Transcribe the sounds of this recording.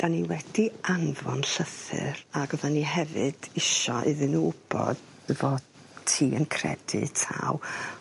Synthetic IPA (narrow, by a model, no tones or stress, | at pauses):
d̥aniwɛd̥ianvɔnɬəθɨ̰ɾaɡɔðaniɦɛvɨd̥ɪʃɔʔɪðɨnuʊb̥ɔ̰d̥ | əvɔ | tʰiːənkʰrɛ̰dɨ̰tʰa̰w